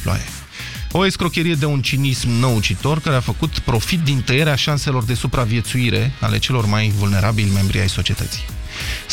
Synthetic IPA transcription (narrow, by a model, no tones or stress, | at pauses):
o̰a̰jḛ | o̞eskɾo̞kʲeɾije̞d̪e̞unt͡ʃinismnəut͡ʃit̪o̞rkaɾe̞afəkut̪pɾo̞fit̪̚d̪int̪əje̞ɾeaʃanse̞lo̞rd̪e̞supɾavije̞t̪suiɾe̞̰a̰le̞̰t͡ʃe̞lo̞rmajvulne̞ɾʔabilʲme̞mbɾḭajso̞t͡ʃie̞t̪ət̪si̥j